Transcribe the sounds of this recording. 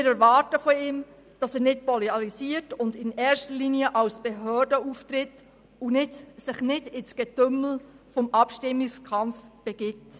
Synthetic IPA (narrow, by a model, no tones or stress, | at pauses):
ɪɾɛɾvɑːtəfɔiːm | d̥ɑsɛːɾnɪt̚pɔleɑɾisiːəɾtʊndɪnɛːɾʃtəliːniəʔɑwsb̥eɦøːɾdəuːftrɪt | ʊnɪdsɪχnɪdɪnsɡ̥ɛtʏml̩ | fɔmɑpʃtɪmːɪskʰɑmfb̥ɛɡ̥ɪt